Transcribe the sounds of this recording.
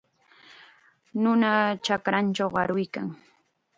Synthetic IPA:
nʊnat͡ʃakɾant͡ʃawɢɑɾʊjkaŋ

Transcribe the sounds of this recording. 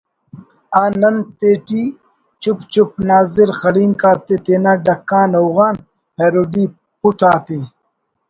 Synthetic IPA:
aːnɐnt̪eːʈi | t͡ʃupt͡ʃup̚naːziɾxɐɽiːŋkaːt̪et̪eːnaɖɐkːãːnɐwɣaːn | heːɾoːɖiː | puʈaːt̪i

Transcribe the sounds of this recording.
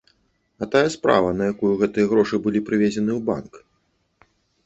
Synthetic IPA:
ɐt̪ajɐspɾa̰vɐnɐjakujuɣɛt̪ɨjɐɣɾɔʂɨbɨlʲipɾɨvʲed͡zʲɛnɨwba̰nk

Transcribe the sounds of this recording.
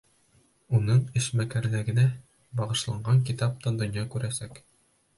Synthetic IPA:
unɤɴɘ̆ʃmækæɾlæɡɘ̆næ | bɑʁɤ̆ʃlˠɑɴɢɑŋkit̪ɑp̚t̪ɑnd̪ŏnjɑkʉɾæsæk

